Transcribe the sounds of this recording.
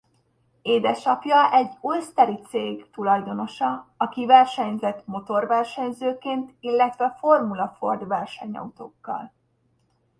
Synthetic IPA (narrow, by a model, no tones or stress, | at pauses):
eːd̪ɛʃɒpjɒʔɛɟːost̪ɛɾit̪seːɡt̪ulɒjd̪o̞no̞ʃɒɒkivɛrʃɛɲzɛt̪mo̞t̪o̞rʋɛrʃɛɲzøːkeːnt̪ilːɛt̪ʋɛfo̞rmulɒfo̞̰rd̪ʋɛrʃɛ̰ɲɒ̰ut̪oːkːɒ̰l